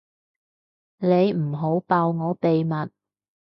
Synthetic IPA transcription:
ne˨˧jm̩˨˩ɦo˨˥wpaː˨˧wŋɔː˨˧pe˨jmɐ˨t̚

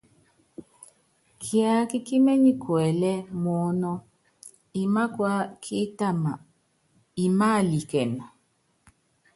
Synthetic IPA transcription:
kʰja˨˦ki˦ki˦mɛ˦ɲi˦kʰwɛ˨lɛ˦mɔ˨˦nɔ˦ | i˨ma˦kwa˦kʰi˦ta˦ma˨ | i˨ma˦˨li˨kɛ˨na˨

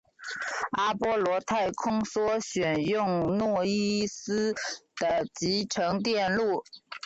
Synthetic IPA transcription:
a˥pwɔ˥lwɔ˧˥t̪ʰa˥˩ɪkʰʊ˥ŋswɔ˥ɕɥɛ˨˩njʊ˥˧ŋnwɔ˥˩i˥sɹ̩˥d̪̥ə˨t͡ɕi˧˥ʈ͡ʂʰɤ˧˥ŋt̪jɛ˥˧nlu˥˩

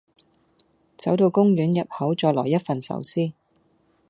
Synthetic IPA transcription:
t͡sɐ˨˥wt̪o˧wkʊ˥ŋɥyː˨˥njɐ˨p̚hɐ˨˥wt͡ʃɔː˧lɔː˨˩jɐ˥t̚fɐ˨nsɐ̰˨˧˥wsiː˥

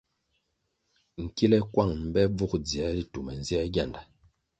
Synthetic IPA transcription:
ŋ̩˨ki˦lɛ˦kwa˦˨ŋm̩˨bɛ˦b͡vu˦kd͡zi˨ɛ˦di˦tu˨mɛ˨n̩˨zjɛ˦ɡʲa˦˨nda˨

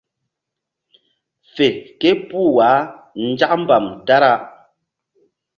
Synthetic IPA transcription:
fɛ˨kɛ˦pu˦˨waː˨˦ | n̩˦d͡ʒa˦ʔm̩˦ba˨mta˦ɾa˦

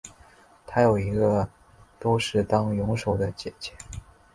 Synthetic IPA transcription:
t̪ʰa˥jo˨˩ʊi˧˥ɡə˧ | t̪o˥ʊʂɻ̩˥˩t̪ɑ˥ŋjʊ˧˥ŋʂo˨˩ʊd̪ə˦t͡ɕjɛ˨˩t͡ɕʰɛ˥

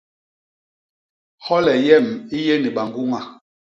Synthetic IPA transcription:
hɔ˦lɛ˨jɛ˦˨mi˦je˦ni˨ɓa˨ŋɡu˦ŋa˨

